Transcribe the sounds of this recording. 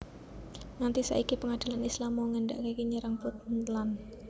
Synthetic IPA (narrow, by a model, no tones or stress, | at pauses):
ŋant̪isa̰ʔikipəŋad̥i̤lanislamːɔŋənda̰ʔkakiɲəɾaŋpʊt̪̚nt̪lan